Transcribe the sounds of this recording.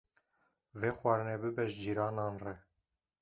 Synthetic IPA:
veːxwɑːɾɨnebɨbɛʒd͡ʒiːɾɑːnɑːnrɛ

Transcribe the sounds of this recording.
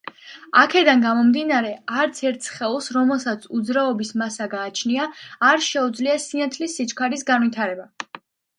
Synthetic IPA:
akʰɛd̪anɡamɔmd̪inaɾɛaɾt̪sʰɛɾt̪ʰsχɛlˠsɾɔmɛlˠsat̪sʰud̪zɾaɔbismasaɡaːt͡ʃʰniaːɾʃɛud̪zliasinat̪ʰlisːit͡ʃkʰaɾisɡanwit̪ʰaɾɛba

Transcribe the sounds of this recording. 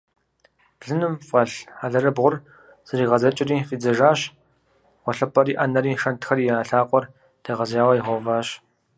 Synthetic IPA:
b̥ɮɨnɨmfʼɐɬaːɮɐɾɐbʁʷʊr | z̥ɨɾiːʁɐzɐt͡ʃʼɪriːfiːd͡zɐʒaːɕ | ʁʷɔɬɐpʰʼɐɾiːʔɐnɐɾiːʂɐntxɐrijaːɬaːqʷʼɔr | d̥eːʁɐzjaːwɐjiʁɔvaːɕ

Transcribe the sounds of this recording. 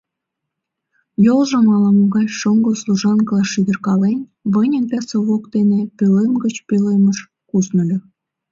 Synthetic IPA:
jolˠʒɤ̆mɑlˠɑmoɡɑjʃŏŋɡoslˠuʒɑnkɤ̆lˠɑʃid̪ʲĕrkɑlenʲ | βɤ̆nʲə̆nt̪ʲæsŏβokt̪enepʲelemɡə̆t͡ɕpʲelemə̆ʃ | kusnɤ̆lʲɤ̆

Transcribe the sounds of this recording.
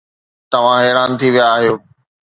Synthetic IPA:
t̪ɐʋ̤ãɦɛːɾaːnt̪ʰiʋijaːɦijoː

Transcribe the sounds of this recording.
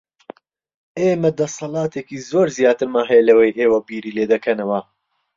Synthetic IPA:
eːmɐd̪ɐsɐlˠɑːt̪ʰekiːzoːɾzijaːt̪ɨɾmaːɦɛjɛlɐwɐjʔeːwɐbiːɾiːleːd̪ɐkʰɐnɐwɐ

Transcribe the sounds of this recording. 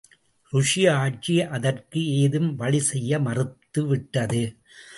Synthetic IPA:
ɾʊʂɪjɐaːʈ̚t͡ʃiʔɐðɐrkɯeːðɯmʋɐɭɪsɛjːɐmɐrɯt̪ːɯʋɪʈːɐðɯ

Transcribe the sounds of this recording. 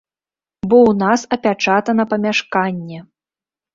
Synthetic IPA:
bɔwnasɐpʲat͡ʂat̪ɐnɐpɐmʲaʂkanʲːɛ

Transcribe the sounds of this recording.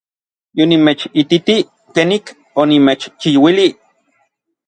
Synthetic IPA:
jonimet͡ʃit̪it̪i | keːnik | onimet͡ʃt͡ʃijwili

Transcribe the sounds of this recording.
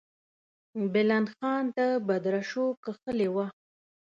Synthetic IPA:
bɪlanxɑnd̪əbad̪ɾaʃokəxəlewa

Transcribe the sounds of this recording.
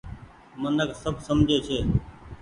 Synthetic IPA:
mənəksəbʱsəmd͡ʒʱeːt͡ʃʰeː

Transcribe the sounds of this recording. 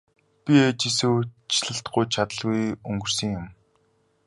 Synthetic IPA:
pʲiet͡ɕisŭwt͡ɕɮə̆ɬt̪̚ɢʊjt͡ɕʰat̪ə̆ɮɣujɵŋɡɵ̆r̥sɘ̆ŋjʊm

